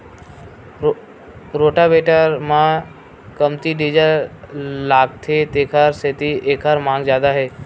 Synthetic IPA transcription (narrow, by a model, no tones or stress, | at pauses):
ɾoːʈabeːʈəɾmã | kəmt̪iɖiːd͡ʒəl | laːk̚t̪ʰet̪eːkʰəɾset̪iʔeːkʰəɾmãːŋɡzjaːd̪aɦɛː